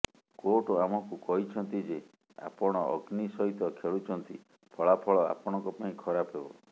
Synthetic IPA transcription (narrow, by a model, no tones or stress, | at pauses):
koʈoamɔkukɔɦit͡ʃʰɔnt̪id͡ʒe | a̰pɔɽ̃ɔʔɔɡnisɔɦit̪ɔkʰeɭut͡ʃʰɔnt̪i | pʰɔɭapʰɔɭɔa̰pɔɽ̃ɔ̃ŋkɔpaĩkʰɔɾapɦebɔ̰